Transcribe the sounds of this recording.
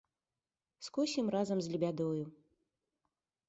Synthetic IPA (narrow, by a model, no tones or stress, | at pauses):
skɔsʲimrazɐmzʲlʲibʲad̪ɔju